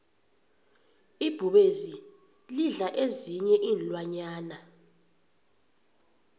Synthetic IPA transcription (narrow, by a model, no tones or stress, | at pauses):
ib̥ʱuɓezi | liɮaʔeziɲɛʔiːnlwaɲaːna